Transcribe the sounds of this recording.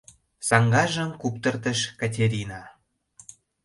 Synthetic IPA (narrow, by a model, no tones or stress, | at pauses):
sɑŋɡɑʒə̆mkupt̪ə̆rt̪əʃkɑt̬ʲeɾʲinɑ